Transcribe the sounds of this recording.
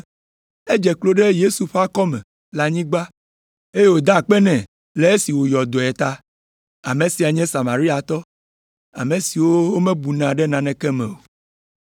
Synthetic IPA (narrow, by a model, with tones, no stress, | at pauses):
e˦d͡ʒɛ˨klo˦ɖe˦je˦su˨ɸa˦kɔ˦mɛ̰̃˨ | la˨ɲĩ˦ɡ͡ba˦ | e˦je˦˨wo˨d̪a˦˨k͡pɛ˦nɛ̃˨ | lɛ˦e˦si˨wo˨jɔ˨d̪o˨ɛ˨t̪a˦ | a˨mẽ˨si˨a˨ɲɛ̃˦sa˨ma˨ɾi˦a˨t̪ɔ˦ | a̰˨mẽ˨si˨wo˦wo˦mɛ̃˦bu˨nã˨ɖɛ˦nã˨nɛ̃˨kɛ˦mɛ̰̃˨wo˨